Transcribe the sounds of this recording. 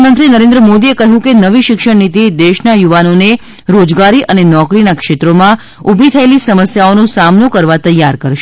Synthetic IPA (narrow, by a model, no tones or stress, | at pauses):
mənt̪ɾinəɾẽnd̪ɾəmod̪iekəɦjũkenəʋiʃɪkʃəɽnit̪id̪eʃnajuʋanone | ɾod͡ʒɡaɾiʔənenɔkɾinakʃet̪ɾomã | ubʱit̪ʰəelisəməsjaonosamnokəɾʋat̪əjːaɾkəɾʃ